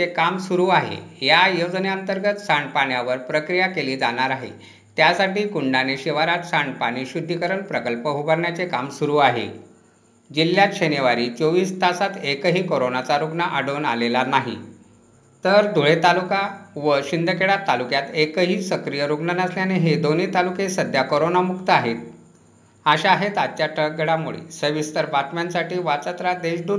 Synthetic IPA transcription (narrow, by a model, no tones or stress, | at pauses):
ekamsuɾuːaɦḛjajod͡zneənt̪əɾɡət̪saɳpaɳjaʋəɾpɾəkɾijakeliːd͡zañaɾaɦḛ | t̪jasaʈiːkuɳɖaneɕiʋaɾat̪saɳpaɽ̃iːɕud̪ʱːikəɾəɳpɾəkəlpəɦubəɾɳjat͡sekamsuɾuːaɦḛ | d͡ʑiljat̪ɕeneʋaɾiːt͡soʋiːst̪ʰasat̪ekəɦiːkoɾonat͡saɾuɡɳəʔaɽona̰lelanaɦḭ | t̪əɾd̪ʱuɭet̪alukaʋəɕind̪ʱəkeɭat̪ːalukjat̪ekəɦiːsəkɾijəɾuɡɳənəsljaneɦed̪oniːt̪alukesəd̪ʱjakoɾonamukt̪əaɦet̪̚ | aɕaaɦet̪at͡ɕjaʈʰək̚ɡeɽamuɭḛsəʋist̪əɾpaɾʈmensaʈiːʋat͡sat̪ɾad̪eɕɖʱuː